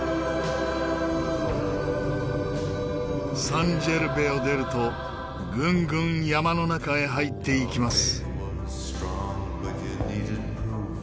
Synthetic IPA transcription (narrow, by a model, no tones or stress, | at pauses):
sãɲd͡ʑe̞ɾɯ̟be̞o̞d̪e̞ɾɯ̟t̪o̞ | ɡɯ̃ŋɡɯ̟̃ɰ̃jamano̞nakae̞ɦait̪ːe̞ikʲimasɨ̥ | tɹɔŋ | niɾd̚pʰɹu